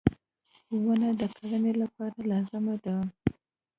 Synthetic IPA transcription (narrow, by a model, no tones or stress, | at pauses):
wanad̪əkʰalanelapɑɾalɑzəmad̪aw